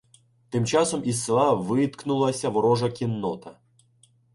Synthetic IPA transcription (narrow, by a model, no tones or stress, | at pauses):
t̪ɪmt͡ʃɑsɔmisːɪlˠɑʋɪt̪knʊlˠɐsʲɐʋɔɾɔʒɐkʲinːɔt̪ɐ